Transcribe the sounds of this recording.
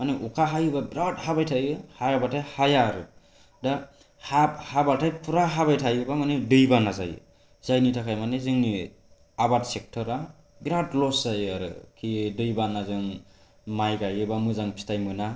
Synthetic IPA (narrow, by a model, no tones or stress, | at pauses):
maneʔukʰaɦajɯbabɾathabajtʰajɯhajabatʰajhajaɾɯ | da | hahabatʰajpʰuɾaɦaβajtʰajɯbamanedɯjbanaza̰jɯ̰ | zajnitʰakʰajmanezɯŋni | abatsek̚tʰɔɾa | ɡɾadlɔszajaɾɯ̰kʰidɯjbanazɯŋ | majkajɯbamɯzaŋpʰi̥stajmɯna